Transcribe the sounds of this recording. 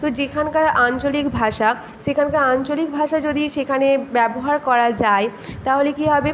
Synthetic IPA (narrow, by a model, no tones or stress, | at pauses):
t̪od͡ʑekʰankaɾant͡ɕolikbʱaʃa | ʃekʰankaɾant͡ɕolik̚bʱaʃad͡ʑod̪iʃekʰanebɛboɦaɾkɔɾad͡ʑaet̪aɦolekiɦɔbe